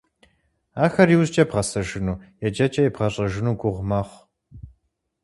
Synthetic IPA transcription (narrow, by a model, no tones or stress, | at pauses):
aːxɐɾiwzt͡ʃʼɐbʁɐsɐʒɨnuːjɛd͡ʒɐt͡ʃʼɐjibʁɐɕʼɐʒɨnuːɡʷʊʁʷmɐχʷ